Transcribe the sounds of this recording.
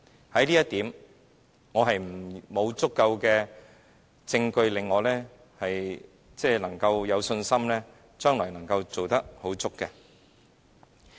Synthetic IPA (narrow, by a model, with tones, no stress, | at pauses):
hɐ˨˥jliː˥jɐ˥t̪iː˨˥m | ŋɔː˨˧ɦɐ˨jm̩˨˩mo˨˧wt͡sʊ˥kːɐ˧wkɛː˧ | t͡sɪ˧ŋkɵ˧ɥlɪ˨ŋːɔː˨˧lɛː˥ | hɐ˨j | t͡sɛː˥˩lɐ˨˩ŋkɐ˧wjɐ˨˧wsɵ˧nsɐ˥mlɛː˥ | t͡ʃœː˥ŋlɔː˨˩jnɐ˨˩ŋkɐ˧wt͡so˨wt̪ɐ˥k̚ho˨˥wt͡sʊ˥kːɛ˧